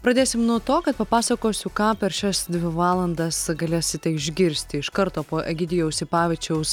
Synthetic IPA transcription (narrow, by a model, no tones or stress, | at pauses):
pɾɐd̪ʲeːsʲɪmnuɔt̪oːkɐt̪pɐpɑːsɐkoːsʲʊkɑːpʲɛɾʃʲɛsd̪ʲʋʲɪʋɑːlˠɐnd̪ɐsɡɐlʲeːsʲɪt̪ʲɛɪʒʲɡʲɪɾʲsʲt̪ʲɪɪʃkɐɾt̪oːpoːʔɛɡʲɪd̪ʲɪjɛʊsɪpɑːʋʲɛt͡ʃʲɛʊs